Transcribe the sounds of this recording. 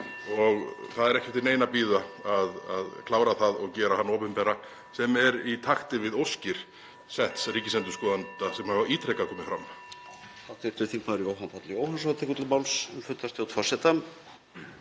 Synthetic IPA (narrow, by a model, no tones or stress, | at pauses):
ɔɣθaðɛɾɛhcɛft̪ɪneːjnapiːðaaðaðkʰlaːwɾaθaðɔɣcɛːɾahanːɔːpʏnpɛra | sɛmɛɾit̪ʰaxt̪ɪvɪðowscɪɾ̥ | sɛht̪sriːcɪslɛnt̪ʏɾskɔːðant̪asɛmhavaiːt̪ʰɾɛjkakʰɔːmɪfɾamː | θḁt̪ɛɾ̥t̪ʰʏθiŋkmaðʏɾiowhanpʰat̪lɪoːwhansat̪ʰɛːkʏt̪lɪlmawlsɛmfʏnt̪ːast̪awt̪ʰvasɛt̪am